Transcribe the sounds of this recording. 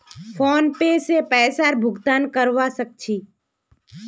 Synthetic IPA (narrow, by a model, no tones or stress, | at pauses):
fʰoːnpesepɛːsaɾbʱʊɡt̪aːnkəɾʋasək̚t͡ʃʰiː